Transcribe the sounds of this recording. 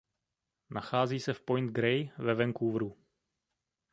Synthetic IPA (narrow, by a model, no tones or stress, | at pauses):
nʔaxaːziːsɛfpojnt̪̚ɡɾɛjvɛvɛŋkuvɾu